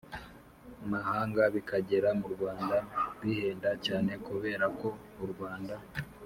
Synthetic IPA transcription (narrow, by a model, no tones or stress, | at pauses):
mahaːŋɡaβikaɟe̞ɾamuɾwaːndaβihe̞ːndacaːne̞kuβe̞ːɾako̞ | uɾwaːnda